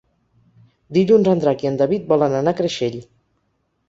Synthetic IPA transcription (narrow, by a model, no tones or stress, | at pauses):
d̪iʎunzənd̪ɾakiənd̪əβit̪̚bɔlənənakɾəʃeʎ